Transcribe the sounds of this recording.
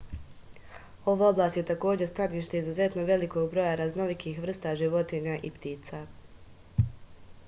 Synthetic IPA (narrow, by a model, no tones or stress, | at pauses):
o̞ʋaoblaːst̪je̞t̪ako̞ːd͡ʑest̪aniːʃt̪e̞izuze̞t̪no̞ʋe̞liko̞ɡbɾo̞jaɾazno̞likiːxʋr̩st̪aʒiʋo̞t̪iɲaʔipt̪iːt̪sa